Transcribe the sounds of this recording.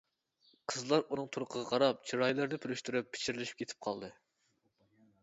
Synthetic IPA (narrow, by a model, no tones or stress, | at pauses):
qʰəzlˠɑɾunɨŋt̪ʰuɾʊqʰəʁɑqʰɑɾɑp̚t͡ʃʰiɾɑjlˠɨɾnɪpʰyɾyʃt̪yɾypʰːɪ̥t͡ʃʰiɾlɪʃi̥pkʲʰet̪ʰɪ̥p̚qʰɑ̰lˠd̪ɨ